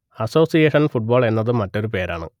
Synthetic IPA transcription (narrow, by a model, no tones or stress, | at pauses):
ɐso̞ːsijeːʂɐnfuʈ̚bo̞ːɭe̞nːɐðɨmɐtːo̞ɾupe̞ːɾa̰ːɳɨ̰